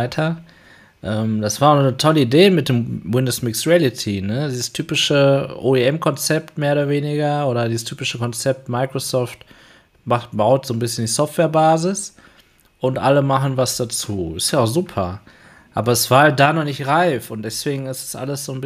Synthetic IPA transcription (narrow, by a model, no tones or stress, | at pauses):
ɪtʰɐ | ʔɛːmd̥asv̥aːɐʊnɔnətʰɔləideːmɪt̚d̥eːmwɪndosmɪksʁiɛlɪtʰinədiːzəstʰyːpɪʃəʔoːeɛmkʰɔnt͡sɛp̚tmeːɐoːɾɐveːnɪɡɐʔoːɾɐdiːzəstʰyːpɪʃəkɔnt͡sɛp̚tmaɪkʁ̥osɔft | maχtb̥aʊtz̥oːnbɪsçəndiːsɔftv̥eːɐbaːzɪs | ʔʊntʔa̰ləmaχn̩vasd̥at͡suːɪstjaʊzuːpʰɐ | ʔaːbɐɛsv̥aːɐhalt̚d̥aːnɔχnɪçtʁaɪfʊntd̥ɛsv̥eːɡŋ̩ɪsd̥ḁsʔa̰ləsz̥oːnb